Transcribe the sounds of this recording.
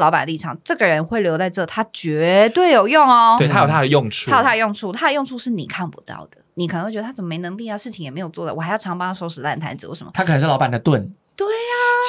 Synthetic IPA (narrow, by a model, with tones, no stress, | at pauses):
lɑ˧ʊpa˨˩nə˧li˥˩ɑ˨˩ŋʈ͡ʂɤ˥˩ɡə˩ɻə˧˦nxwe˥˩ɪljo˧˥ʊt͡sa˥˧ɪʈ͡ʂɤ˥˩t̪ʰa˥t͡ɕɥɛ˧˦˥t̪we˥˩ɪjo˨˩ʊjʊ˥˩ŋɔ˨we˥˩˨t̪ʰa˥jtʰa˥də˩jʊ˥˧ŋʰu˧a˥jo˨˩t̪ʰa˥˩ə˨˧jʊ˥˧ŋʈ͡ʂʰu˥˩t̪ʰa˥də˧jŋʈ͡ʂʰu˥˧ʂɻ̩˥˩ni˨˩kʰa˥˩npu̥̰˧˥t̪ɑ̰˥˩ʊd̪̥ə˩ni˨˩k̪ʰə˧˥xwə˧˥a˥t͡sə˨˩mə˩me˧ɪnə˧˥ŋli˥˨a˨˩ʂɻ̩˥˩t͡ɕʰi˧˥ŋjɛ˨˩me˧˥ɪjo˨˩ʊt͡swɔ˥˩d̪ə̰˩wɔ˨˩a˧˥jʈ͡ʂʰɑ˧˥ŋpɑ˥ŋa˥˩ʂo˥ʊʂɻ̩˧˥t̪a˥˩nt̪ʰa̰˧˥nd͡zɹ̩˧˩wʂə˧˦mə̰˦t̪ʰa˥kʰə˨nə˧˦ŋʂɻ̩˥˩lɑ˥ba˨˩nd̪ə˦t̪wə˥˩n | t̪we˥˩ɪa˨